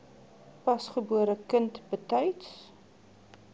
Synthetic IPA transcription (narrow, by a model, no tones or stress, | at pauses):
pɐsχəbuəɾəkəntbətœjts